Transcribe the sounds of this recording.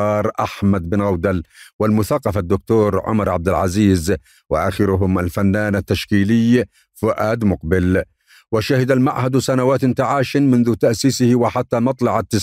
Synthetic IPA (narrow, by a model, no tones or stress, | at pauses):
ɑːɾˤʔaħmad̪bɪnɣawd̪alwɪlmʊθaqːɑfad̪ːʊk̚t̪uːɾʕʊ̰mɑɾˤʕa̰b̚d̪ɪlʕaziːz | wɪʔaxɪɾʊɦʊmalfanːaːnat̪ːaʃkiːlɪj | fʊʔaːd̪mʊqbɪl | wɪʃahɪd̪almaʕhad̪sanawaːt̪nt̪aʕaːʃɪnmʊnðʊt̪aʔsiːsɪhɪwɪħat̪ːamɑt̪ˤlɑʕat̪ːɪs